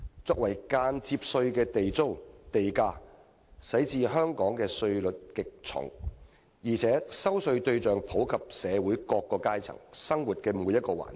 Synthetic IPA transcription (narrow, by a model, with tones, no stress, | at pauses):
t͡sɔː˧k̚wɐ˨˩jkaː˧nt͡siː˧p̚sɵ˧ɥkɛː˧t̪e˨jt͡so˥wt̪e˨jkaː˧ | sɐ˨˥jt͡siː˧ɦœː˥ŋkɔː˨˥ŋkɛː˧sɵ˧ɥlɵ˨t̚kɪ˨k̚t͡sʰʊ̰˨˩ŋ | jiː˨˩t͡sʰɛː˨˥sɐ˥wsɵ˧ɥt̪ɵ˧ɥt͡ʃœː˨ŋpʰo˨˥wkʰɐ˨p̚sɛː˨˧wu˨˥jkɔː˧kːɔː˧kaː˥jt͡sʰɐ̰˨˩ŋsɐ˥ŋwuː˨˩t̚kɛː˧muː˨˧˥jɐ˥t̚kɔː˧wa̰ː˨˩n